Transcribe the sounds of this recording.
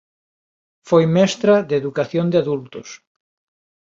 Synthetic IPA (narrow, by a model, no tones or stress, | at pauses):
fojmɛst̪ɾɐðeðukaθjond̪eaðult̪ʊs